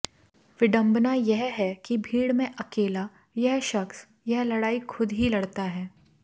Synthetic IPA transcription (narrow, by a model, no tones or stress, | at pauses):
ʋɪɖə̃mbnajɛɦɦɛkibʱiːɽmẽʔɐkeːla | jɛɦʃɐxs | jɛɦlɐɽaːikʰʊd̪ɦilɐɽt̪aɦɛː